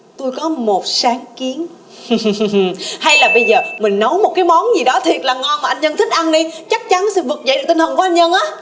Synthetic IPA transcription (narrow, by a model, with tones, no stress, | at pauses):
t̪o˧jkɔ˨˦mo˨˩t̚saː˨˦ŋki˨˦ən | hha˧jlaː˨˩ɓə˧jzəː˨˩mï˨˩ŋ̟nə˨˦wmo˨˩t̚kaː˨˦jmɔ˨˦nzi˨˩ɗɔ˨˦t̪ʰi˨˩ət̚laː˨˩ŋɔ˧nmaː˨˩ʔa˧ŋ̟ɲə˧nt̪ʰï˥k̟̚ʔa˧nɗi˧t͡ɕa˦˥k̚t͡ɕa˨˦nsɛ̰˧˥vɨ˨˩ək̚zə̰˧˨jɗ̚t̪i˧nh̪ʰə˨˩wŋ͡mku˨˦ʔjŋɲə˧nʔaː˨˦˥